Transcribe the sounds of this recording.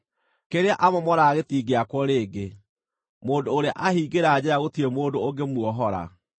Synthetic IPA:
keɾeaʔamɔmɔɾaːɣetiːɡeakwɔɾeːɡe | moːndoːɾea̰ʔahiːɡeɾaːd͡ʑɛɾaɣotiɾemoːndooŋɡemwɔɦɔɾa̰

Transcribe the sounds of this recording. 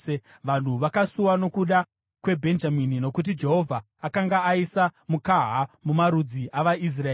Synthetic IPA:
ʋan̤uʋakasuwano̞kuɗa | kwe̞bʱe̞nd͡ʒaminino̞kut̬id͡ʒe̞ɦo̞vʱaːkaŋɡaːisamukaɦamumaɾud͡ziʔaʋais̬raeː

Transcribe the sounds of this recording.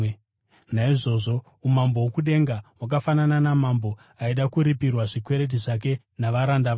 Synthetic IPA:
naiʐo̞ːʐo̞ | umambo̞wokuɗe̞ŋɡawak̬afanananamambo̞ | aiɗakuɾipirwaʐikwe̞ɾe̞t̬iʐak̬e̞ | naʋaɾandaʋ

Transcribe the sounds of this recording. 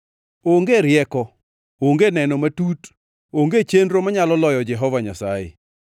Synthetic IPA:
oŋɡeɾjɛkɔ | oŋɡenɛnɔmatut | oŋɡet͡ʃendɾomaɲalɔlɔjɔd͡ʒɛɦɔvaɲasajḛ

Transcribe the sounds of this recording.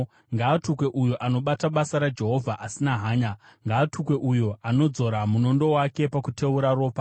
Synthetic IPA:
ŋɡaːtukwe̞ʔujuʔano̞ɓataɓasaɾad͡ʒe̞ɦo̞vʱaʔasinaɦaːɲaŋɡaːtʰukwe̞ʔujuoano̞d͡zo̞ɾamuno̞ndo̞wake̞pakutʰeuɾaro̞ːpa

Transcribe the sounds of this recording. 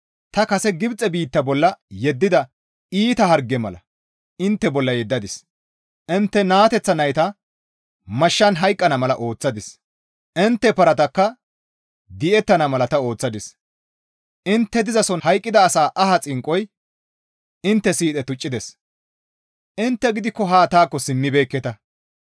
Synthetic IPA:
t̪ɐkɐsɛɡɪbt͡sʼɛbiːt̪ːɐbɔlːɐjɛd̪ːɪd̪ɐ | iːt̪ɐɦɐɾɡɛmɐlɐ̰ | ɪnt̪ːɛbɔlːɐjɛd̪ːɐd̪ɪs | ʔɪnt̪ːɛnaːt̪ɛt͡sːɐnɐjt̪ɐ | mɐʃːɐnɦɐjkʼːɐnɐmɐlɐʔo̞ːt͡sːɐd̪ɪs | ʔɪnt̪ːɛpɐɾɐt̪ɐkːɐ | d̪ɪʔɛt̪ːɐnɐmɐlɐt̪ɐo̞ːt͡sːɐd̪ɪs | ʔɪnt̪ːɛd̪ɪzɐsɔnhɐjkʼːɪd̪ɐːsaːʔɐɦɐt͡sʼɪŋkʼːɔj | ɪnt̪ːɛsiːt̪ʼɛt̪ʊt͡ʃʼːɪd̪ɛs | ʔɪnt̪ːɛɡɪd̪ɪkːɔɦaːt̪aːkːɔsɪmːɪbeːkːɛt̪ɐ

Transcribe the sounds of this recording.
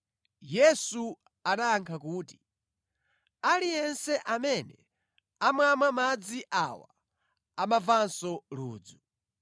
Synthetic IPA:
jɛsu | aɗaaŋkʰakuːti̥ | alijɛnsɛʔamɛnɛ | amwamamad͡ziʔawa | amavansɔlṵːd͡zu

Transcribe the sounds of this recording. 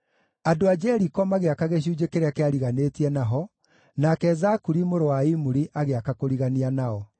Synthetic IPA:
adoad͡ʑɛɾikɔmaɣeakaɣeɕ̬uːd͡ʒekeɾeakeaɾiɣanetiɛnaɦɔ | nakɛzakuɾimoɾowaimuɾiʔaɣeakakoɾiɣanianaɔ

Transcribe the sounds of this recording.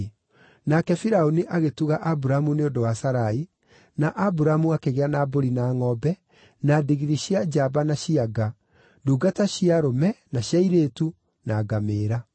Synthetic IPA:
nakɛfiɾaoniʔaɣetuɣaʔabuɾamuneondowasaɾai | naʔabuɾamuakeɣeanaboɾinaːŋɔbɛ | nadiɣiɾiɕiad͡ʒabanaɕiaɡa | duːɡataɕiaɾomɛnaɕjaiɾeːtu | naːɡameːɾa

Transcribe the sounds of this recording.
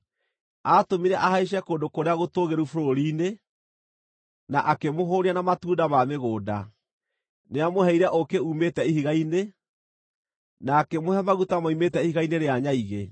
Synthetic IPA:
atomiɾɛʔahaeʃ̬ɛkoːndokoɾeaɣotoɣeɾufoɾoɾiːne | naʔakemoɦoːɾianamatuːdamameɣoːda | neamoɦɛiɾɛʔokeumetɛihiɣaine | nakɛmohɛmaɣutamaumetɛihiɣaineɾeaɲaiɣe

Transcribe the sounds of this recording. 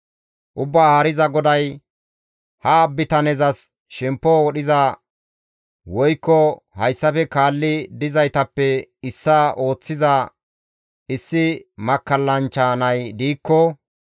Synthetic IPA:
ʔʊbːaːhɐːɾɪzɐɡɔd̪ɐj | hɐːbːɪt̪ɐnɛzɐs | ʃɛmpːɔwɔɗɪzɐ | wɔjkːɔ | hɐjsːɐfɛkaːlːɪd̪ɪzɐjt̪ɐpːɛɪsːɐʔo̞ːt͡sːɪzɐ | ɪsːɪmɐkːɐlːɐnt͡ʃːɐnɐjd̪iːkːɔ

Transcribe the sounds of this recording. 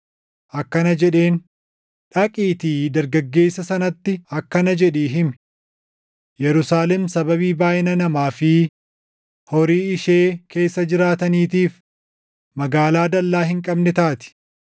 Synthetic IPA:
ʔɐkːɐnɐd͡ʒɛᶑe̞ːn | ᶑɐkʼiːt̪iːd̪ɐɾɡɐɡːe̞ːsːɐsɐnɐt̪ːɪɐkːɐnɐd͡ʒɛᶑiːɦɪm | jɛɾʊsaːlɛmsɐbɐβiːbaːʔɪnɐnɐmaːfɪ | hɔɾiːɪʃeːkʰe̞ːsːɐd͡ʒɪɾaːt̪ɐniːt̪iːf | mɐɡaːlaːd̪ɐlːaːɦɪŋkʼɐbnɛt̪aːt̪ɪ̥

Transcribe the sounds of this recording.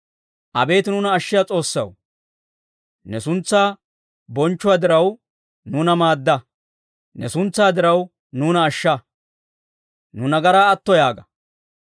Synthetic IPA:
ʔɐ̰be̞ːt̪ɪnʊnɐːʃːɪjat͡sʼo̞ːsːɐ̰w | nɛsʊnt͡sːaː | bɔnt͡ʃːʊwad̪ɪɾɐw | nuːnɐmaːd̪ːɐ | nɛsʊnt͡sːaːd̪ɪɾɐw | nuːnɐːʃːɐ | nʊnɐɡɐɾaːɐt̪ːɔjaːɡɐ

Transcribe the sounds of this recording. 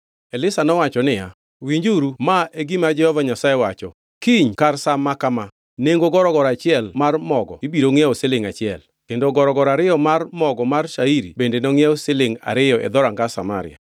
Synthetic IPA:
elɪsanɔwat͡ʃɔnɪja | wiɲd͡ʒuɾumaeɡimad͡ʒɛhɔvaɲasaewat͡ʃɔ | kiɲkarsamːakama | neŋɡoɡɔɾɔɡɔɾat͡ʃɪɛlmarmɔɡɔ̰ibiɾoŋɛosɪlɪŋat͡ʃɪɛl | kendoɡɔɾɔɡɔɾaɾɪjɔmarmɔɡɔmarʃaiɾḭbendenɔŋɪɛosɪlɪŋa̰ɾɪjɔʔɛ̰d̪ɔɾaŋɡasama̰ɾɪ̰ja̰

